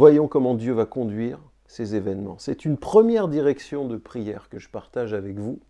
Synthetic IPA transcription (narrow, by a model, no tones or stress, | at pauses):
vwajɔ̃kɔmɑ̃d̪jøvakɔ̃d̪ɥiʁ | sezevɛnmɑ̃sɛt̪ynpχəmjɛʁd̪iʁɛksjɔ̃d̪əpχijɛʁkəʒəpaʁt̪aʒavɛkvu